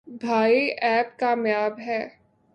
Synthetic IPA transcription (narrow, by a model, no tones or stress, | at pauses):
bʱaːiʔɛːp̚kaːmjaːbɦɛː